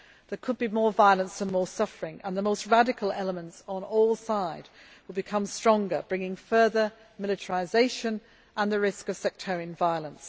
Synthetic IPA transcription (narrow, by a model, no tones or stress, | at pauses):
ðəkʰəd̚bimɔɹvaɪlˠə̃nsðə̃nmɔːsʌfə˞ɪ̃ŋə̃nðəmoʊst̚ɹadɨkʰəlˠɛlˠəmə̃ntsn̩ɔlˠsaɪd̚ | wəd̚bɨkʰʌ̃mstɹ̥ɒ̃ŋɡə˞bɹɪ̃ŋɪ̃ŋfɜ˞ðə | mɪlˠɨtʰəɹɪzeɪʃə̃n | ʔə̃nðɨɹɪskʌv̥sɛk̚tʰɛɹiɨ̃nvaɪəlˠə̃ns